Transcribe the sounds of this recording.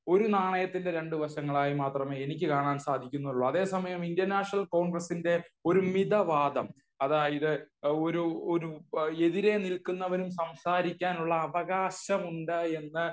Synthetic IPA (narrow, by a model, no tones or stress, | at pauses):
o̞ɾunaːɳɐjɐt̪ːinde̞ɾe̞ɳɖɨʋɐɕɐŋːɐɭaːjimaːt̪rɐme̞ːenik̬ʲːɨkaːɳaːnsaːd̪ʱikʲːunːuuɭːuɐðe̞ːsɐmɐjɐmindɐrnaːʂnɐlko̞ːɳɡrɐsinde̞o̞ɾumid̪ɐʋaːd̪ɐm | ɐðaːjɐðɨo̞ɾuoɾue̞ðiɾe̞nilkunːɐʋɐɾumsɐmsaːɾikʲːaːnuɭːɐːʋɐɣaːɕɐmuɳɖɨe̞nːɨ